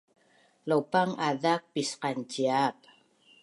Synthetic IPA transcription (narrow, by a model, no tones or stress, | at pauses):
lowpaŋaðak̚pisqant͡ʃiap̚